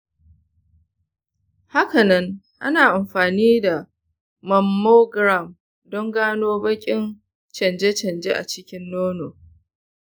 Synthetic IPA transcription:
ha˦kɐ˨nɐ˦ŋ | ʔa̰˦naː˨ʔa˨mɸaː˨niː˦da˨ | mɐ˨mːoː˦ɡɾa˦˨m | dɔ˦ŋɡaː˦noː˦bɐ˦kʲʼɪ˦n | t͡ʃɐ˨nd͡ʒe˦t͡ʃɐ˨nd͡ʒḛ˦ʔa̰˨t͡ʃɪ˦kʲɪ˦nːoː˦noː˨

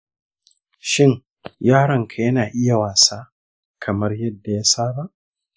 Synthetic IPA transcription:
ʃɪ˦ŋ | jaː˦ɽɐ˨ŋkʰa˨jɐ˦naː˨ʔɪ˦ja˨waː˨saː˦ | kʰɐ˨mɐ˦rjɐ˦dːa˨ja˦saː˦ba˦ʔ

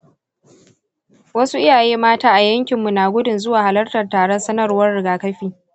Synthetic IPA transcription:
wɐ˦su˦ʔɪ˦jaː˨jeː˦maː˦taː˦ʔa˨jɐ˦ŋkʲɪ˨mːu˨naː˨ɡʷʊ˦dʊ˨nzʊ˦waː˨ha˨lɐ˦rtɐ˨rtaː˨ɽɔ˦nsɐ˦nɐ˦˨rwɐ˦rɽɪ˨ɡaː˨kɐ˦ɸiː˦

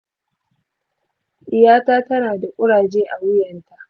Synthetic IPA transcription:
ʔɪ˨jaː˦taː˦tɐ˦naː˨da˨ʔʷʼʊ˦ɽaː˨d͡ʒeː˦ʔa˨wʊ˦jɐ˨nta˨ʔ

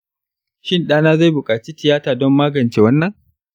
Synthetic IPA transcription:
ʃɪ˦˨nɗaː˦naː˦za˦˨jbʊ˨kʼaː˨t͡ʃiː˦tɪ˨jaː˦taː˨dɔ˦mːaː˦ɡɐ˨nt͡ʃe˨wɐ˦nːɐ˨ŋ

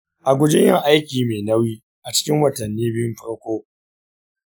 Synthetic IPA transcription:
ʔa˨ɡʷʊ˦d͡ʒɪ˦jɪ˦ŋʔa˦jkʲiː˨meː˨nɐ˦wiː˦ | ʔa˨t͡ʃɪ̥˦kʲɪ˦ŋwɐ˨tɐ˨nːiː˦bɪ˦mɸɐ˦ɽkʷoː˦

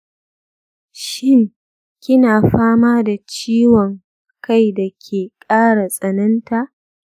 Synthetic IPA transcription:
ʃɪ˦ŋ | kʲɪ˦naː˨ɸaː˦maː˦da˨t͡ʃiː˦wɔ˨ŋ | ka˦˨jda˨kʲʰeː˨kʼaː˦ɽa˨sʼɐ˨nɐ˦nta˦˨ʔ

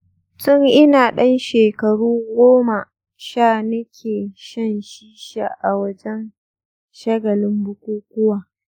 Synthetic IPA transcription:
tʊ˦ŋʔɪ˦naː˨ɗɐ˦nʃeː˨kɐ˨ɽuː˦ɡʷoː˦ma˨ | ʃaː˦˨nɐ˦kʲʰeː˨ʃɐ˦nʃiː˦ʃa̰˨ʔa˨wɐ˦d͡ʒɛ˦n | ʃɐ˦ɡɐ˨lɪ˦mbʊ˦kʷuː˦kʷʊ˦waː˨

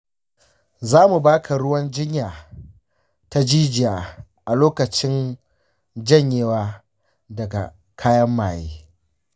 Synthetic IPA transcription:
zaː˦mu˨baː˦kʰa˨ɽʊ˦wɐ˦nd͡ʒɪ˦ɲjaː˨ | ta˦d͡ʒiː˦d͡ʒɪ˨jaː˨ | ʔa˨loː˦kɐ˨t͡ʃɪ˦n | d͡ʒɐ˦˨ɲjeː˨˦waː˦ | dɐ˨ɡa̰˨ | kʰaː˦jɐ˦mːaː˨jeː˦

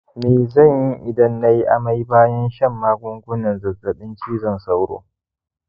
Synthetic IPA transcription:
meː˨zɐ˦˨ɲji˦ʔɪ˨dɐ˦nːa˦ji˦ʔa˨ma˦jbaː˦jɐ˦nʃɐ˦˨mːaː˦ɡʷʊ˦ŋɡʷʊ˦nɐ˨nzɐ˨rzɐ˨ɗɪ˦nt͡ʃiː˦zɐ˨nsa˦wɽo̰ː˦

